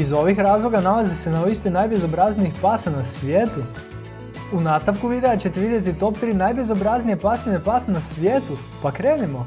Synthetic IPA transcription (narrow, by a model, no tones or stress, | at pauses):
izo̞ʋixɾaːzlˠoɡanalazisenaist̪inajbezobɾazniixpasanasʋʲjeːt̪u | unaːst̪aʋkuʋid̪e̞at͡ɕe̞t̪eʋid̪jet̪it̪o̞p̚t̪ɾiːnajbezobɾaznijepasninepaːsanasʋjeːt̪u | pakɾe̞ːnimo̞